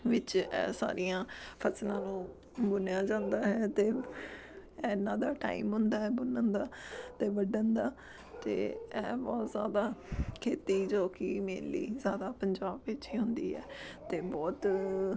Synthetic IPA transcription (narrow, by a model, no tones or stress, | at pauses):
ʋɪt͡ʃɛ̰ːsa̰ːɾijãːpʰəslãːnũː | bʊnjaːd͡ʒãːnd̪aːɦɛːt̪eː | ɛːnːãːd̪aːʈa̰ːiːmɦʊnd̪aːɦɛːbʊnənd̪aːt̪eːʋəɖənd̪aː | t̪ḛːɛːbɔːt̪zja̰ːd̪aːkʰeːt̪iːd͡ʒoːkiːmeːnlḭːzjaːd̪aːpəɲd͡ʒaːbːɪt͡ʃiːɦʊnd̪iːɦɛ̰ːt̪eːbɔːt̪